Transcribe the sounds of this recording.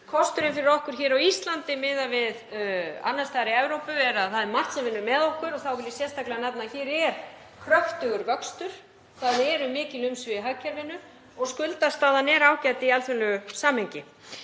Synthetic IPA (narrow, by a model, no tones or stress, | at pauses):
kʰɔst̪ʏɾɪnfɪɾɪɾɔhkʏɾ̥çɛːɾawist̪lant̪ɪmɪðavɪða̰nːast̪aːɾɪɛvɾowpʏvɛɾaθaðɛɾmar̥t̪sɛmvɪnːʏmɛðɔhkʏɾɔθawɪlɛ̥sjɛst̪ʰaklɪanat̪naçɛːɾɛɾ̥ | kʰɾœht̪ʏɣʏɾvœkst̪ʏɾ̥ | θaðɛɾʏmɪːcɪlʏmsvɪɦacaɾvɪnːʏ | ɔɣskʏlt̪ast̪aːðanɛːɾaːwcajt̪ɪialθʏlʏsaːmhɛɲcɪ